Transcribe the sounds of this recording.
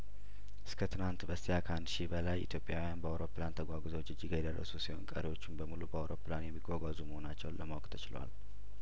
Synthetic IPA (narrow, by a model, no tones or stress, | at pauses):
ʔɨskʰət̪ʰɨnant̪bəst̪ijakʰəhand̪ʃibəlajʔit̪jo̞pʼjawijanbəawɾo̞plant̪ʰəɡʷaɡuzəwt͡ʃːɨd͡ʒːiɡajɛd̪ərːə̰susiho̞̰nkʼə̰ɾewo̞t͡ʃːɪnbəmulubəawɾo̞planjɛmːiɡʷaɡʷazuməho̞nat͡ʃːɛwləmawkt̪ʰət͡ʃɪlwa̰l